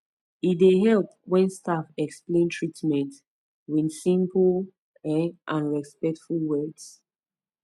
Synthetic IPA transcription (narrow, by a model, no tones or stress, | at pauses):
ideɦɛlp̚wɛ̃nstafɛksplẽntʰɹitmɛ̃nt | winsĩmpl | ʔãnɹɛspɛk̚tfulwɛds